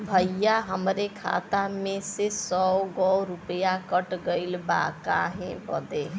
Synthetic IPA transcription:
bʱəjːaɦəmɾekʰa̰ːt̪amẽsesɔɡɔɾʊpəjakəʈɡəɪlba̰ːka̰ɦẽpɔd̪e

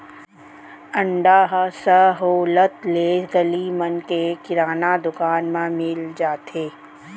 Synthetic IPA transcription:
ə̃ɳɖaːɦsəɦoːlət̪leːɡəlimənkekɪɾaːnad̪ʊkaːnmãmɪld͡ʒaːt̪eː

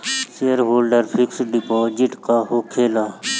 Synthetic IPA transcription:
seəɾɦoːlɖəɾpʰɪksɖɪpoːd͡ʒɪʈkaːhokʰeːlaː

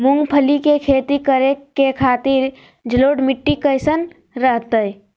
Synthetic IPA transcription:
mʊ̃ŋɡpʰəlikekʰeːt̪ikəɾekekʰaːt̪iɾ | d͡ʒəloːɖmɪʈːikəɪsən | ɾəɦt̪əj

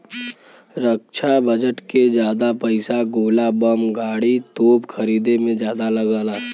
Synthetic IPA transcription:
ɾəkʃʰabəd͡ʒəʈked͡ʒjaːd̪apɐɪsaɡoːlabɐmɡaːɽit̪oːpxʰɐɾiːd̪emẽd͡ʒjaːd̪alɐɡaːlaː

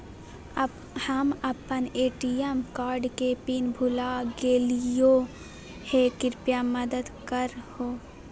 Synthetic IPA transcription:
həməpəneːʈijemkaːɾɖkepinbʱʊlaɡeːlijo | hekɪɾpjaməd̪əd̪kəɾhoː

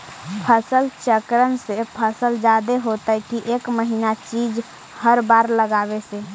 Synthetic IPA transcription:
pʰəsəlt͡ʃəkɾənsepʰəsəld͡ʒaːd̪eɦoːt̪aɛkiʔeːkməɦinat͡ʃiːd͡ʒ | həɾbaːɾləɡaːbeseː

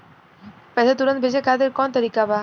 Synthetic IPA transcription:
pɛtʰat̪̬uɾant̪bed͡ʑekad̪eɾkɔnt̪əɾikaba

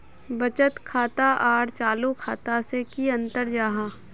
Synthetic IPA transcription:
bɐt͡ʃət̪kʰaːt̪aʔaːɽt͡ʃaːlukʰaːt̪asekiɐ̃nt̪əɾd͡ʒaːɦaː

